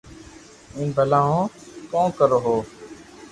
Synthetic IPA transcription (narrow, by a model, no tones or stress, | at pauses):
ĩːbʱəlaːɦõːkõːkəɾoːɦoː